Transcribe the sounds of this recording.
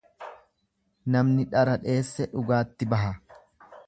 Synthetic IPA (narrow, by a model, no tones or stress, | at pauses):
nɐmnɪᶑɐɾɐᶑe̞ːsːɛᶑʊɡaːt̪ːɪbɐɦɐ